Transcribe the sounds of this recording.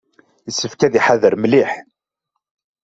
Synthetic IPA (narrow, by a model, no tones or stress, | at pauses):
əsːəfkæðiħaðəɾmliħ